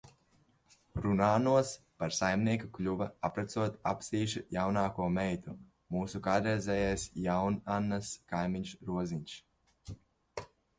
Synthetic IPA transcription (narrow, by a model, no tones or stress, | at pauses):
ɾunaːnuɔs | paɾsajmniɛkaklʲuvaapɾat̪suɔt̪apsiːʃijawnaːkuɔmɛjt̪u | muːsukad̪ɾɛzʲɛːjajsjawnanːaskajmiɲʃɾuɔziɲʃ